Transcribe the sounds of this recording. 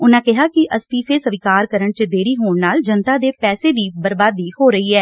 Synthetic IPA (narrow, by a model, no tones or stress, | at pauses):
ʊnãːkɪɦaːkɪʔʔəst̪iːfʰeːsəʋɪkaːɾkəɾəɳt͡ʃəd̪eːɾiːɦoːɳnaːld͡ʒənt̪aːd̪eːpɛːseːd̪iːbəɾbaːd̪iːhoːɾəiːɛː